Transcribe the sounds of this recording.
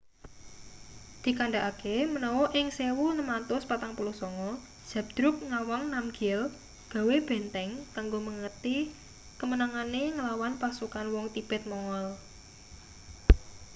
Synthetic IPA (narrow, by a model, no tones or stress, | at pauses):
d̪̥i̤kaɳɖaʔakemənɔwɔʔɪŋsewunəmant̪ʊspat̪aŋpulusɔŋɔ | d̥ʒ̥a̤p̚d̪̥ɾʊk̚ŋawɔŋnamɡ̥ɛl | ɡ̥a̤web̥ɛ̤nt̪ɛŋkaŋɡoməŋərt̪i | kəmənaŋaneŋəlawanpasukanwɔŋt̪ib̥ɛt̪̚mɔŋɔl